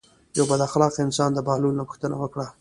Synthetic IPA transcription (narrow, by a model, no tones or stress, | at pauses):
jawbad̪axlɑqɪnsɑnd̪əbalulnapʊxt̪əna̰wəkɽa